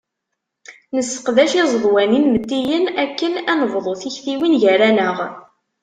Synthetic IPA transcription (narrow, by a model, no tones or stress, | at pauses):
nəsːə̥qðæʃizˤðˤwæninmət̪ːijənækːənænəvðˤoθiçfiwinʝæɾænəʁ